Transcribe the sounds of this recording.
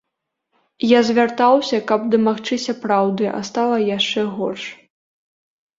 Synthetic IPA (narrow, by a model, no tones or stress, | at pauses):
jazʲvʲart̪awsʲɐkɐbd̪ɐmaxt͡ʂɨsʲɐpɾawd̪ɨʔa̰st̪alˠɐjaʂt͡ʂɛɣɔrʂ